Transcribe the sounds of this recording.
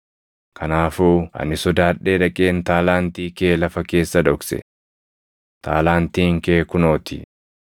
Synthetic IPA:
kʰɐnaːfuːɐ̰nɪsɔd̪aːᶑe̞ːᶑɐkʼeːnt̪aːlaːnt̪iːke̞ːlɐfɐke̞ːsːɐd̪ɔksɛ̰ | t̪ʰa̰ːlaːnt̪iːŋkeːkʊno̞ːt̪ɪ̰

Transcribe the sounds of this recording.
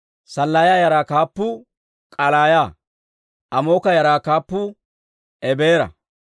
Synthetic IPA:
sɐlːaːjaːjɐɾaːkaːpːʊ | kʼɐlaːjaː | ʔɐmo̞ːkɐjɐɾaːkaːpːʊ | ɛbeːɾɐ̰

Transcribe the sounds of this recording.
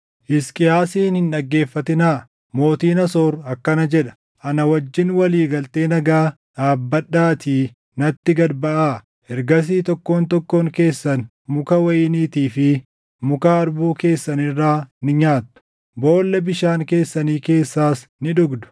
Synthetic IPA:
ʔɪskʼɪjaːsiːnhɪnɗɐɡːe̞ːfːɐt̪ɪnaː | mo̞ːt̪iːnɐsoːɾɐkːɐnɐd͡ʒɛᶑɐ̥ | ʔɐnɐwɐd͡ʒːɪnwɐliːɡɐlt̪e̞ːnɐɡaː | ᶑaːbːɐɗːaːt̪iː | nɐt̪ːɪɡɐd̪bɐʔaː | hɛɾɡɐs̬iːt̪ɔkːo̞ːnt̪ɔkːoːŋke̞ːsːɐn | mʊkɐwɐʔɪniːt̪iːfɪ | mʊkaɐɾbuːke̞ːsːɐnɪrːaːnɪɲaːt̪ːʊ̥ | bo̞ːlːɐbɪʃaːŋke̞ːsːɐniːke̞ːsːaːsnɪᶑʊɡd̪ʊ̥

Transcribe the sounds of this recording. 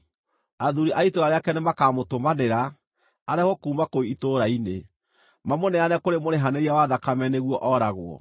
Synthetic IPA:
aðuɾiʔaitoɾaɾeakɛnemakaːmotomaneɾa | aɾɛhɔkuːmakoiitoːɾaine | mamonɛanɛkoɾemoɾeɦaneɾiawaðakamɛneɣwɔʔɔɾaɣwɔ̰

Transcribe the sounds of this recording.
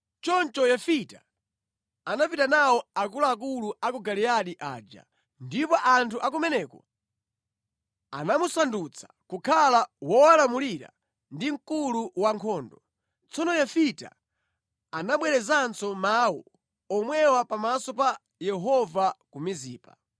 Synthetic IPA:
t͡ʃɔnt͡ʃɔjafita̰ | anapitanawɔakulaak̬uluakuɡaliaɗiʔa̰ːd͡ʒa̰ | ndipɔʔantʰuʔak̬umɛnɛːkɔ | a̰namusandut͡sʰḁ | kukʰalawɔalamuliɾa̰ | ndiŋ̩kuluwaŋkʰɔːndɔ | t͡sɔnɔjafita̰ | anaɓwɛɾɛzansɔmaːwɔ̰ | ɔmwɛwapamasɔpa | jɛɦɔvakumiziːpa̰

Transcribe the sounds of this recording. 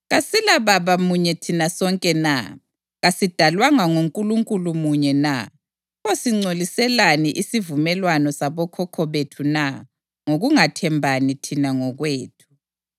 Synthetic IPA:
ɣasilaβaβamuɲɛtʰinasɔŋkʼɛna̰ | ɣasid̥ʱalwaŋaŋuŋkʼuluŋkʼulumuɲɛna̰ | osiŋ͡ǀolisɛlaniʔisivumɛlwanɔsaβɔkʰɔkʰɔβetʰuna | ŋoɣuŋatʰɛmbʱanitʰinaŋɔɣweːtʰu̥

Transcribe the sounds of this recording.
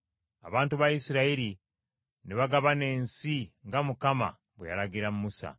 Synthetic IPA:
a̰βaːntuβajisiɾaiɾi | neβaɡaβane̞ːnsiŋɡamukama̰ | βweja̰laɡiɾamumusa̰

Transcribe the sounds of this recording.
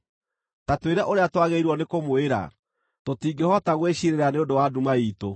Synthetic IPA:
tatweɾɛʔoɾeatwaɣeiɾwɔnekomoeɾa̰ | totiːɡehɔtaɣweɕiɾeɾaneodowadumaiːto

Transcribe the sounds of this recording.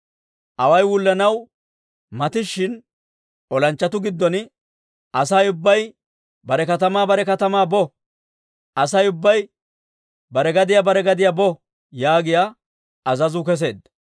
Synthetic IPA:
ʔɐwɐjwʊlːɐnɐw | mɐt̪ɪʃːɪn | ʔɔlɐnt͡ʃːɐt̪ʊɡɪd̪ːɔnɪ | ʔɐsɐjʊbːɐj | bɐɾɛkɐt̪ɐmaːbɐɾɛkɐt̪ɐmaːbɔ | ʔɐsɐjʊbːɐj | bɐɾɛɡɐd̪ɪjabɐɾɛɡɐd̪ɪjabɔ | jaːɡɪja | ɐzɐzʊkɛs̬e̞̰ːd̪ɐ

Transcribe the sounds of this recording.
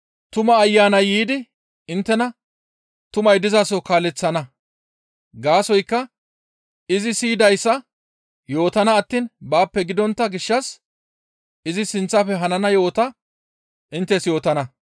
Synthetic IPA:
t̪ʊmɐːjːaːnɐjːiːd̪ɪ | ɪnt̪ːɛnɐ | t̪ʊmɐjd̪ɪzasɔkaːlɛt͡sːɐnɐ | ɡaːsɔjkːɐ | ɪzɪsiːd̪ɐjsːɐ | jo̞ːt̪ɐnɐːt̪ːiːnbaːpːɛɡɪd̪ɔnt̪ːɐɡɪʃːɐs | ɪzɪsɪnt͡sːɐfɛɦɐnɐnɐjo̞ːt̪ɐ | ʔɪnt̪ːɛsjo̞ːt̪ɐnɐ

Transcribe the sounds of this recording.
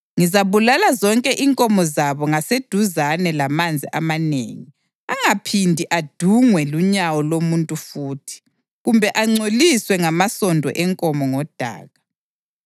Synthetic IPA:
ŋizaβulalazɔŋkʼɛʔiŋkʼɔmɔzaβɔŋased̥ʱuzanɛlamand͡zʱiʔamanḛːŋi | aŋapʰindʱiʔad̥ʱuŋwɛluɲawɔlomuntʼufuːtʰi̥ | ɣumbʱɛʔaŋ͡ǀoliswɛŋamasɔndʱɔ̰ʔɛŋkʼɔmɔŋɔd̥ʱa̰ːɣa

